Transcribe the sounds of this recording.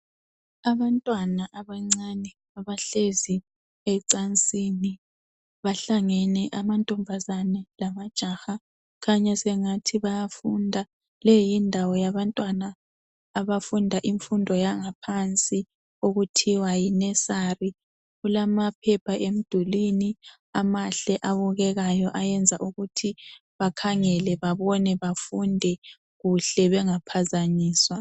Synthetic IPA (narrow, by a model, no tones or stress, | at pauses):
aβantʼwanaʔaβaŋ͡ǀanɛ | aβaɬezi | ɛǀant͡sʼini | βaɬaŋɛnɛʔamantʼɔmbʱazanɛlamad̥ʒ̥ʱaxa | kʰaɲɛsɛŋatʰiβajafundʱa | lɛjindʱawɔjaβantʼwanaː | βafundʱaʔiɱfundʱɔjaŋapʰant͡sʼi | oɣutʰiwajinɛsari | ɣulamapʰɛpʰaʔem̩d̥ʱulini | amaɬɛʔaβuɣɛɣajɔʔajɛnd͡zʱaʔuɣutʰiβakʰaŋɛlɛβaβɔnɛβafundʱɛ | ɣuɬɛβɛŋapʰazaɲiːswa